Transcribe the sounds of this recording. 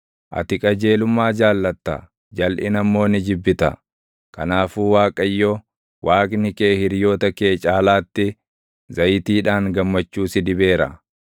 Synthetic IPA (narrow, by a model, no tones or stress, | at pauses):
ʔɐ̰t̪ɪkʼɐd͡ʒe̞ːlʊmːaːd͡ʒaːlːɐt̪ːɐ̰ | d͡ʒɐlʔɪnɐmːo̞ːnɪd͡ʒɪbːɪt̪ɐ̰ | kɐnaːfuːwaːkʼɐjːɔ | waːkʼnɪke̞ːhɪɾjo̞ːt̪ɐke̞ːt͡ʃʼaːlaːt̪ːɪ | zɐjt̪iːᶑaːŋɡɐmːɐt͡ʃːuːsɪd̪ɪbe̞ːɾɐ̰